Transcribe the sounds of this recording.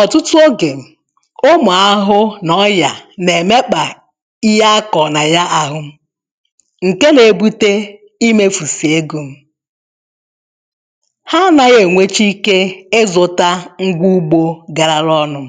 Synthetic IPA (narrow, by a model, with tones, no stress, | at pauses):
ɔ˨tʊ˦tʊ˦o˦ɡe˨m̩˨ | o˦mʊ˨a˦ɦʊ˦nɔ˦ja˨ne˨me˦k͡pa˨ | i˦ja˦a˦kɔ˨na˨ja˦ʔa˨ɦʊ˦ | ŋ̩˨ke˦ne˨bu˦te˦ | i˦me˦fu˨si˨e˦ɡu˨m̩˦ | ha˦na˨ɣe˨ŋʷe˦t͡ʃi˦ke˦e˦zʊ˨ta˦ŋ̩˦ɡʷu˦u˦ɡ͡bo˦ɡa˨ɾa˨ɾɔ˦nʊ˨